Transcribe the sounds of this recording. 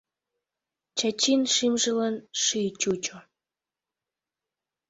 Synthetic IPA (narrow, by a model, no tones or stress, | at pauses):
t͡ɕat͡ɕinʃimʒəlɑnʃijt͡ɕut͡ɕo